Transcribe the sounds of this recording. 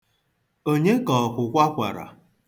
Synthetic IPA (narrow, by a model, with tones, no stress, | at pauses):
o˦ɲe˦kɔ˨kʷʊ˨kʷa˦kʷa̰˨ɾa̰˨